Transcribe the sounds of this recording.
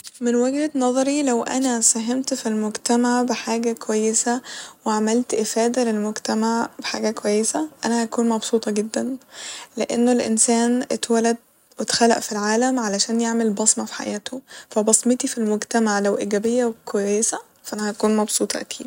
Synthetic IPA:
menwæɡhænɑðˤɑɾilæwʔæ̰næsæɦemt̪filmoɡt̪æmaʕbeħaːɡækowæjːesæweʕamelt̪ʔefæːd̪ælelmoɡt̪æmaʕbeħa̰ːɡækowæjːesæʔænæhækuːnmɑbsˤuːt̪ˤɑɡed̪ːænleʔenːolʔḛnsæːnʔet̪wælæd̪̚ | wet̪xælæ̰ʔfilʕaːlæmʕalæʃæːnjeʕmelbɑsˤmɑfi̥ħa̰jæːt̪ʰofæbɑsˤmet̪ifilmoɡt̪æmaʕlæwʔiːɡæbejːæwkowæjesæ | fæʔænæhækuːnmɑbsˤuːt̪ˤɑʔæ̰kʰiːd̪

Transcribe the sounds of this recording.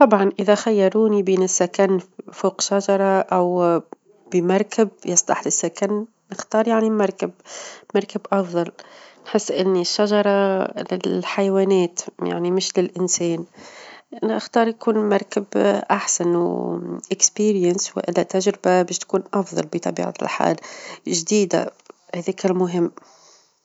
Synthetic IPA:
t̪ˤɑbʕɑnʔɪðæxajːɑɾˤuːnibiːnɪsːakanːfoːqʃaʒɑɾˤɑʔaw | bimɑɾˤkɪb̚jɑsˤt̪ˤɑ̰ħlɪsːakanː | ɪxt̪ɑːɾˤjaʕnimɑɾˤkɪbmɑɾˤkɪbʔɑfðˤɑlnħɪsːʔɪnːiʃːaʒɑɾˤɑlɪ̰lħajwæːnɛːt̪ja̰ʕnimɪʃlɪlʔɪnsɛːn | nɪxt̪ɑːɾˤjakuːnmɑɾˤkɪbʔaħsanwʔɪkspiːɾɪjənswɪ̰ʔɪlːæt̪aʒɾɪbabɛːʃt̪kuːnʔɑfðˤɑ̰lbit̪ˤɑbḭːʕa̰t̪ɪ̰lħa̰ːlʒd̪iːd̪a̰hæːðiːkɪlmʊɦɪmː

